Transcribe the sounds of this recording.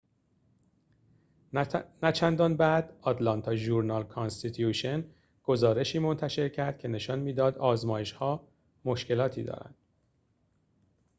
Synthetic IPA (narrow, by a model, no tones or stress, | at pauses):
næt͡ʃʰænd̪ɒːnbæd̪̥ɒt̪lɒnt̪ʰɒːʒuɾnɒlkʰɒnst̪it̪ʰjuʃen | ɡ̥o̞zɒːɾe̞ʃiːmo̞nt̪ʰæʃe̞ɾcʰæɾd̪̚cʰe̞ne̞ʃɒnmiːd̪ɒːd̪ɒːzmɒːje̞ʃhɒː | mo̞ʃce̞lɒːt̪ʰiːd̪ɒ̰ːɾæ̰nd̪̥